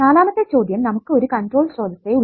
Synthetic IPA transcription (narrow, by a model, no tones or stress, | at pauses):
aːlaːmɐt̪ːet͡ɕo̞ːd̪jɐmnɐmukːɨoɾukɐnʈro̞ːɭɕroːd̪ʱɐt̪ːeuɭ